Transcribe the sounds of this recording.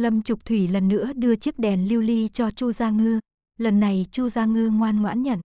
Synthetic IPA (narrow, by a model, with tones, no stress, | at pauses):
lə˧˩mt͡ɕʊ˨˩k͡p̚t̪ʰwi˧˩lə˨˩nːɨ̰˧˥əɗɨ˧ət͡ɕi˦˥ək̚ɗɛ˨˩nli˧wli˧t͡ɕɔ˧t͡ɕu˧zaː˧ŋɨ˧ | lə˨˩nːa˨˩jt͡ɕu˧zaː˧ŋɨ˧ŋwaː˧nŋwa̰ː˧˥nɲə̰˧˩n